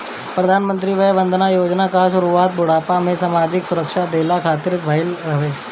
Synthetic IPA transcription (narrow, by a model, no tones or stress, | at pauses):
pɾɐd̪ʱaːnmə̃nt̪ɾiʋəjʋənd̪ʱnajoːd͡ʒnakaʃʊɾuaːt̪̚bʊɽaːpamẽsaːmaːd͡ʑɪksʊɾəkʃad̪eːlakʰaːt̪ɪɾbʱaɪlɾɐʋeː